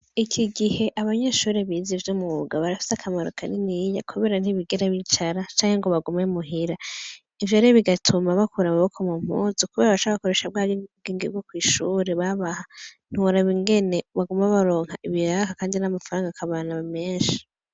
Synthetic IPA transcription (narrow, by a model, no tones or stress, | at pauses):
ikʰiɡihe̞ʔaβaɲeʃuːɾeβizivjomuɡaβaɾafi̥sakʰamaɾokʰaninija̰kʰuβe̞ɾan̥hiβiɡeɾaβit͡ʃaɾat͡ʃaːŋheŋɡo̞βaɡumemuɦiɾa | ivjoɾeβiɡatʰumaβakʰuɾamaβokʰomum̥ṵzukuβeːɾaβaʃaaakoɾeʃab̚ɡaːjoɡeːŋɡibɡokwiːʃuːɾe̞βaβahan̥uuɾaβiŋɡe̞neβaɡumaβaɾo̞ːŋhaʔiβiɾakakaːndinamafaɾaːŋɡakʰaβaːnaβame̞ːnʃi̥